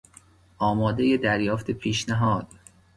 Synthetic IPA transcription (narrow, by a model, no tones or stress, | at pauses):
ʔɒːmɒːd̪eje̞d̪æɾjɒːft̪ʰepʰiːʃnæɦɒːd̪̥